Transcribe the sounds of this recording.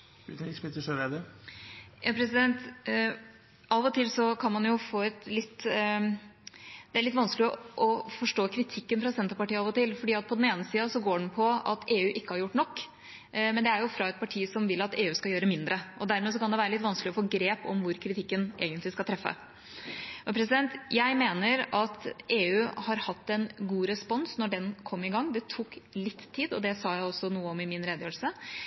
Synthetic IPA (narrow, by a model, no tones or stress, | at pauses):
smɪt̪ːəʂəɾed̪ə | jɑpʰɾɛsɪd̪ɛnt̪ | ʔɑːʋɔt̪ʰɪlsɔkʰɑnmɑnjʊfoːɛt̪lɪt̪ː | d̪̥ɛæɭɪt̪ːʋɑnsklɪɔʔɔfɔʂʈoːkʰɾɪt̪ʰɪkːənfɾɑsɛnt̪əɾpɑʈiːəɑːʋɔt̪ɪlfɔɖiːɑt̪̚pʰɔd̪ɛneːnəsiːɑsɔɡoːɖɳ̩pʰɔɑ̰t̪ʰeːʉːʔɪkːəhɑɾjʊʈːnɔkː | mɛnd̪ɛæɾjʊfɾɑɛt̪̚pʰɑʈʰiːsɔmʋɪlːɑt̪eːʉːskɑljøːɾəmɪnd̪ɾəʔɔd̪æɾmɛs̬ɔkʰɑnd̪ɛʋæːɾəlɪt̪ʋɑnsklɪɔfoːɡɾeːpɔmʋʊɾkʰɾɪt̪ʰɪkːənʔḛːɡənt̪lɪskɑlt̪ʰɾɛfːə̰ | ɔpʰɾɛs̬ɪd̪ɛnt̪jæɪmeːnəɾɑt̪ʔeːʉːhɑɾhɑt̪ːɛnɡuːɾɛspɔnsnɔɖɛnkʰɔmːɪɡɑŋːd̪ɛt̪ʰuːklɪt̪ʰːiːd̪ɔd̪ɛsɑːjæɪɔsːɔnuːəɔmɪmɪnɾeːd̪əjøːl̩sə